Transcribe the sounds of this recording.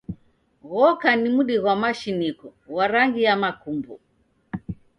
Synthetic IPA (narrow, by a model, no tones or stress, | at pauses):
ɣɔkanimuɗiɣwamaʃinikɔwaɾaŋɡijamakumbṵ